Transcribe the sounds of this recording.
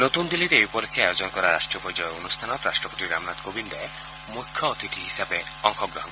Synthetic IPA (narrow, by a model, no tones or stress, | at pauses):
not̪und̪iliɾeejupɔɾikʰːeajod͡ʒɔnkɔɾaɾa̰ʃʈɾiɔpɔɾd͡ʒɔjoonust̪ʰanɔt̪ɾaʃʈɾɔpot̪iɾa̰mnat̪kobind̪ae | mukʰːjɔot̪it̪ʰiɦisabe | ɔŋkʰɔɡɾɔɦɔn